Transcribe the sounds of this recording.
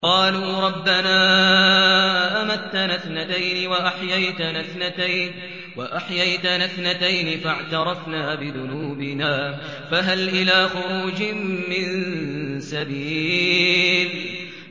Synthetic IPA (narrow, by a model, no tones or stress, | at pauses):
qɑːluːɾˤɑbːanaː | ʔamat̪ːanaθnat̪ajnɪwaʔaħjajt̪anaθnat̪ajn | waʔaħjajt̪anaθnat̪ajnɪfaʕt̪ɑɾˤɑfnaːbɪðʊnuːbɪnaː | faɦalʔɪlaːxʊɾuːd͡ʒɪmɪnsabiː | l